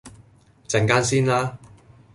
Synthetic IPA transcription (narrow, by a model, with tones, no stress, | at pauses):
t͡sɛ˨˩ŋkaː˥nsiː˥nlaː˥